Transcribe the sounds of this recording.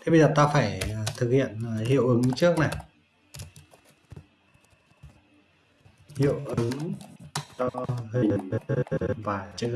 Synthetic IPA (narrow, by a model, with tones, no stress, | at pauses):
t̪ʰe˨˦ɓə˧jzəː˨˩t̪aː˧faː˧˩jt̪ʰɨ˨˩k̚hḭ˧˨ən˨˩hḭ˧˨əwʔɨ˨˦ŋt͡ɕɨ˦˥ək̚na˨˩j | hḭ˧˨əwʔɨ˨˦ŋ | zɔ˧hə˧˩ə˨˧˨n˧ | vaː˨˩t͡ɕɨ˧